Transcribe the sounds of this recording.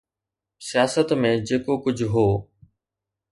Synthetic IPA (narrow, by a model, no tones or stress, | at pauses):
sijaːsət̪mẽd͡ʑeːkokʊd͡ʑʱɦoː